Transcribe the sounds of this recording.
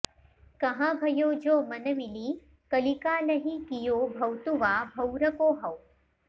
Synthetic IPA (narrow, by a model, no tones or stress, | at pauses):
kɐɦãbʱɐjoːd͡ʒoːmɐnɐmiliː | kɐlikaːlɐɦikijoːbʱɐwt̪uʋaːbʱɐwɾɐkoːɦɐw